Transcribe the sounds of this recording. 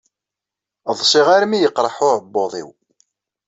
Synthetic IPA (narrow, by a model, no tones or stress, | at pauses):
ðˤsˤɪʁaɾmijəqːɾˤəħʊɾəbːoðˤḭw